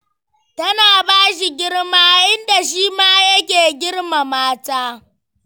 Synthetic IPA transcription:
tɐ˦naː˨baː˦ʃi˨ɡʲɪ˦ɽmaː˦ʔɪ˦nda˨ʃiː˦maː˦jɐ˦k̬ʲeː˨ɡʲɪ˦ɽma˨maː˦taː˦

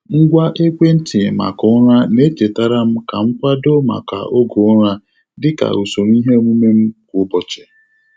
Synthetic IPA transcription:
ŋ̩˦ɡʷa˦ʔe˦kʷe˦n̩˦tɪ˨ma̰˨kʊ˦ʊ˦ɾa˦ne˦te˨ta˦ɾa˦m̩˦ka̰˨ŋ͡m̩˦kʷa˦do˦ma̰˨ka̰˨ʔo˦ɡo˨˦ɾa˦ | dɪ˦ka̰˨u˨so˨ɾi˦ɦe˦mu˦me˦m̩˦kbɔ˨t͡ʃe̥˨

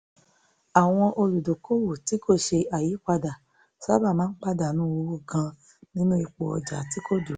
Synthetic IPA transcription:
a˨w̃ɔ̃˧ʔo˧lu˨do˨ko˦wo˨ti˨˦ko˦˨ʃe˧a˨ji˨˦k͡pa˧da˨ | sa˦ba˦˨mãː˦k͡pa˦da˨nũ˦wo˧wo˦˨ɡã˧ | nĩ˦nũ˦i˧k͡po˧ɔ˧d͡ʒa˨˦ti˦ko˦˨d͡ʒu˨˦

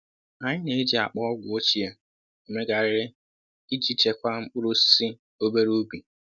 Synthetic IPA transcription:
a˨ɲɪ˦ne˨e˦d͡ʒi˨a̰˨k͡pɔ˦ɔ˦ɡʷʊ˨o˦t͡ʃi˨a˨ | e˨me˦ɡa˨ɾɪ˦ɾɪ˦ | i˦d͡ʒi˦t͡ʃe˨kʷa˦ŋ͡m̩˦k͡pʊ˦ɾʊ˦ssi˦ | o˦be˦ɾu˦bi˨

